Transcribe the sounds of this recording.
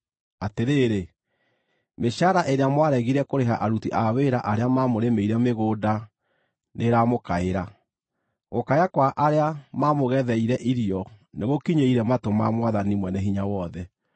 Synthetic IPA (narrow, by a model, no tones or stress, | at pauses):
ateɾeːɾe | meʃaɾaʔeɾeamwaɾɛɣiɾɛkoɾeɦaʔaɾutiʔaweɾaʔaɾeamamoɾemeiɾɛmeɣoːda | nʔeɾamokaeɾa | ɣokajakwaʔaɾeamamoɣɛðɛiɾɛʔiɾiɔ | neɣokiɲeiɾɛmatoma̰mwaðanimwɛnɛɦiɲawɔðɛ